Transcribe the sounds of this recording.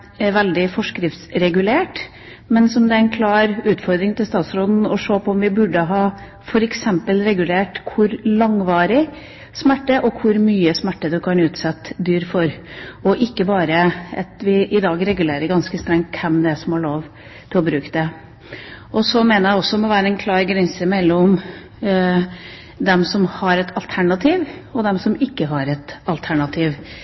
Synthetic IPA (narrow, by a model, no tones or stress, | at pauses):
ʋɛld̪ɪfɔʂkɾɪft̪sɾɛɡʉleːʈ | mɛnsɔmd̪ɛæɛnkʰlɑːɾʉːt̪fɔɾd̪ɾɪŋt̪ʰɪlst̪ɑːt̪sɾoːd̪n̩ɔʂoːpʰɔɔmʋɪbʉɖːəɦɑː | fɔɾɛksɛmpəlɾɛɡʉleːʈkʰʊɾlɑŋʋɑːɾɪ | smæʈːəʔɔkʰʊɾmyːəsmæʈːəd̪ʉkʰɑnʉːt̪sɛt̪ːd̪yːɾfɔɾɔʔɪkːəbɑːɾəɑt̪ʋɪʔɪd̪ɑːɡɾɛɡʉleːɾəɾɡɑnskəst̪ɾɛŋt̪̚kʰːɛmd̪ɛsɔmhɑɭoːʋ | t̪ʰɪlɔbɾʉːkd̪ɛ | ʔɔsɔmeːnəɾjæɪɔsːɔmɔʋæːɾəɛnkʰlɑːɾɡɾɛnsəmɛlːɔm | d̪ɛmsɔmhɑɾɛt̪ʰɑlt̪ʰæɳɑt̪ʰiːʋɔd̪ɛmsɔmɪkːəɦɑɾɛt̪ɑlt̪ʰæɳɑt̪ʰiːʋ